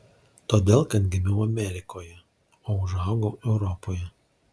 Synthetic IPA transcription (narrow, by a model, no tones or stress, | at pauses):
t̪oːd̪ʲeːlˠkɐt̪ɡʲɪmʲɛʊɐmʲɛɾʲɪkʰoːjɛ | oːʊʒɐˑʊɡoʊɛʊɾɔpoːjɛ